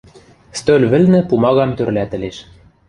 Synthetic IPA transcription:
st̪ølʲβɘ̆lnɘ̆pumɑɣɑmt̪ørlæt̪ɘ̆leʃ

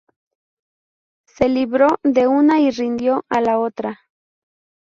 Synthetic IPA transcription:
se̞liβɾo̞ðe̞unairind̪jo̞ʔalaot̪ɾa

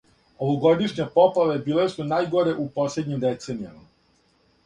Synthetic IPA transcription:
oʋoɡo̞d̪iʃɲepoplaʋebiːlesunaːjɡo̞ɾe̞ʔupo̞slʲed̪ɲimd̪et̪se̞nijama

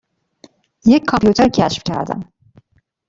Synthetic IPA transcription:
jeckʰɑmpjuːt̪ʰeɾcʰæʃfcʰæ̰ɾd̪æ̰m

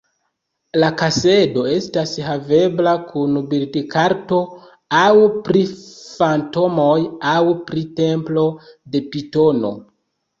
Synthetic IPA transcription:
lakase̞do̞e̞stashave̞blakʰunbiɾdikaɾto̞ | awpɾifanto̞mojawpɾite̞mplo̞de̞pito̞no̞̰

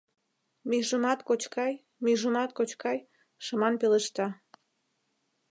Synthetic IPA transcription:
myʒəmɑt̪kot͡ɕkɑj | myʒəmɑt̪̚kot͡ɕkɑj | ʃəmɑnpeleʃt̪ɑ

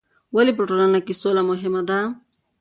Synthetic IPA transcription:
walipɾoʈolanakisolamʊɦɪmad̪a

